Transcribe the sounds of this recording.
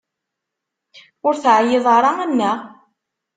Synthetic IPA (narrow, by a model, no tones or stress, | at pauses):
ʊɾθʕjeðˤɑɾˤɑænːæ